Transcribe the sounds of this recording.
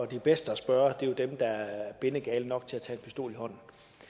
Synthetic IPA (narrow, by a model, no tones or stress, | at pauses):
ɒd̥ib̥esd̥əæsb̥ɶɐd̥e̝jo̝d̥emd̥ɑ̈æɐb̥e̝nəɡ̥ɛːln̩nɒ̽ɡ̥t͡sʰe̝læt͡sʰɛ̰ːenpʰisd̥o̝̰ːlihɒ̽n̰n̩